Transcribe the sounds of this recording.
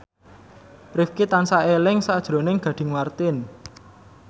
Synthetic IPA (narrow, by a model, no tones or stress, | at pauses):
rifkit̪ansaelɪŋsad̥ʒ̥ɾo̤nɪŋɡ̥ä̤ɖ̥ɪ̤ŋmart̪ɪn